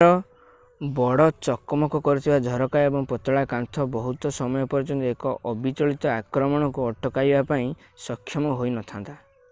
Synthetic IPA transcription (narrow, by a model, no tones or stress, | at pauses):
ɾɔ | bɔɽɔt͡ʃɔkɔmɔkɔkɔɾit̪ʰibad͡ʒ̪ʱɔɾɔkaebɔŋpɔt̪ɔɭakant̪ʰɔbɔɦut̪ɔsɔmɔjɔpɔɾd͡ʒɔnt̪ekɔʔɔbit͡ʃɔɭit̪ɔakɾɔmɔɽ̃ɔŋkuɔʈʰːɔkajbapaĩ | sɔkʰːjɔmɔɦojnɔt̪ʰant̪a